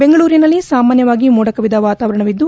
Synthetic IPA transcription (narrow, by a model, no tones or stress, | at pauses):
beŋɡɐɭuːɾinɐlːisaːmaːnjɐʋaːɡimuːɽɐkɐʋid̪ɐʋaːt̪aːʋɐɾɐɳɐʋid̪ːu